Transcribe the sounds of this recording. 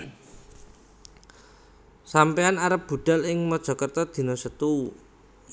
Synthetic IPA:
sampeanaɾəp̚b̥ṳɖ̥a̤lɪŋmɔd̥ʒ̥ɔ̤kərt̪ɔd̪̥i̤nɔsət̪uu

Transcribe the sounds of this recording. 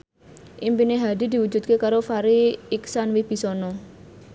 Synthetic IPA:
ʔimpineɦad̪i̤d̪i̤wu̥d͡ʒṳt̪̚kekaɾofaɾiːksanwɪb̥i̤sɔnɔ

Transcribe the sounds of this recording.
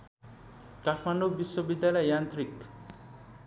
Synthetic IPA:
kaʈʰmanubiʃwobid̪ːjalɔjant̪ɾik

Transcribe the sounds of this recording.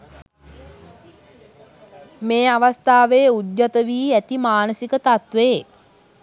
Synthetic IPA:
meːaʋast̪aːʋeːud̪jat̪əʋiːæt̪imaːnəsikət̪at̪ʋeː

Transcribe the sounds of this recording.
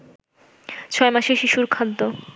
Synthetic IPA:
t͡ɕʰɔemaʃeʃiʃuɾkʰad̪ːo

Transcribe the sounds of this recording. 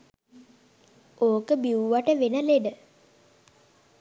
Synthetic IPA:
oːkəbiuʋaʈəʋenəleɖə

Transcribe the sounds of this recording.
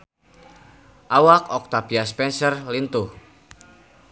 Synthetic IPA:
ʔawakɔk̚t̪abiaspɛnsərlint̪uh

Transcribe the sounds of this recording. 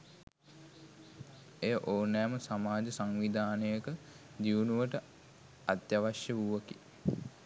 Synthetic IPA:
ejəʔoːnɛːməsamaːd͡ʒəsaŋʋid̪ʱaːnəjəkə | d̪iʋunuʋəʈə | at̪jaʋaʃjəʋuʋəki

